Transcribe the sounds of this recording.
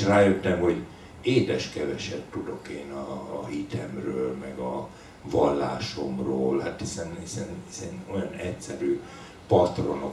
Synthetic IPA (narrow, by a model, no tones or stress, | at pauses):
raːjøt̪ːɛmho̞ɟ | eːd̪ɛʃkɛvɛʃɛtt̪ud̪o̞keːnɒːhit̪ʰɛmrøːlmɛɡɒ | vɒlːa̰ːʃo̞mroːlhat̪hisɛnhisɛnhisɛnojɒnɛcʲsɛɾyː | pɒt̪ro̞no